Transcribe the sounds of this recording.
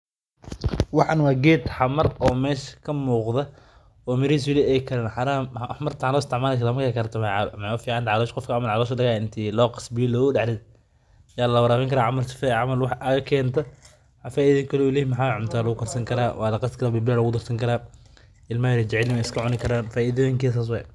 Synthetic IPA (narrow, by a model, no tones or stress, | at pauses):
wɑħɑnwɑːɡɛːd̪ħɑmɐrɔːmɛːʃkʰɐmuːqðɐ | ɔːmɪɾiːs̬jɪlɛɛjkʰɐɾɛnħaɾaːħmɐrt̪ʰħanɔːɪst̪ɪʕmaːlɛkʰɾaːmɐɾkʰaːkʰɐɾt̪ʰɐmɛmːʊfiːʕant̪ʕɑlɔːʃqɔfkʰɐʕamɐlʕɑlɔːʃ̬ɐdɐɣaːɪnt̪ʰiːlɔːqɑ̥sbɪjɔlɔːɣʊɖɛʕlɛd | jaːllɐwɐɾaːβɛŋkʰɐɾaːʕamɐlsfʕamɐlwɑħʔɐɣɐkʰɛːnt̪ʰɐ | ħafaːʔiːðŋkʰɐlɔːɪlɛːhmɐħaːʕʊmt̪ʰaːlɐɣʊkʰɐrsɐŋkʰɐɾa̰ːwʔɑ̰ːlɐqɑst̪kʰɐɾaːbiblaːlɐɣʊd̪ɐrsɐŋkʰɐɾaː | ɪlmajɾɛd͡ʒɛʕɛlɪmɛɪskʰɐʕʊnɪkʰɐɾaːnfaːʔiðɔjɪŋkɛːs̬aːs̬wɑ̰j̰